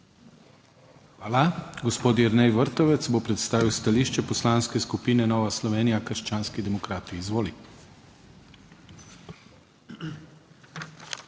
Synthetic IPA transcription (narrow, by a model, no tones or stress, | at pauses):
xʋaːlaɡɔspoːt̪jɛɾnɛjʋəɾt̪ɔʋɛt̪sbopɾɛt̪st̪aːʋiwst̪aliːʃt͡ʃɛpɔslanskɛskupiːnɛnɔːʋaslɔʋeːnijakəɾʃt͡ʃaːnskid̪ɛmɔkɾaːt̪iːzʋoːli